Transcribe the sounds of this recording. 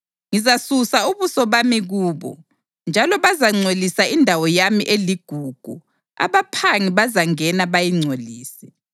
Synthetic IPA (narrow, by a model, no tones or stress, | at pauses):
ŋizasusauβusɔβamiɣuːβɔ̰ | nd͡ʒʱalɔβazaŋ͡ǀʱolisaindʱawɔjamiʔeliɡ̥ʱuːɡ̥ʱṵ | a̰βapʰaŋiβazaŋɛnaβajiŋ͡ǀʱoliːsɛ̥